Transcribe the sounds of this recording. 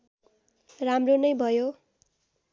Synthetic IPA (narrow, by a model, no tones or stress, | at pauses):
ramronʌjbʱʌjo